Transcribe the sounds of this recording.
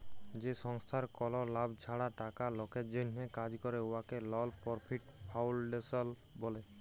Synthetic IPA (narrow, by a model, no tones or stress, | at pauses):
d͡ʒesɔŋst̪ʰaɾkɔlɔlabt͡ʃʰaɽaʈakalɔketd͡ʒɔnɦekad͡ʒkɔɾeowakelɔlpɔɾpʰiʈpʰawlɖesɔl | bɔle